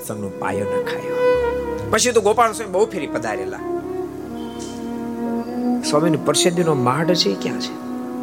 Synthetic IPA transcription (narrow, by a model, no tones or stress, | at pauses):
səmnõpa̰jonakʰa̰jo | pət͡ʃʰit̪õɡopaɽ̃õsamebəɦupʰeɾipəd̪ʱaɾḛla̰ | saminũpəɾʃed̪inomaɖt͡ʃʰekjã̰t͡ʃʰe̥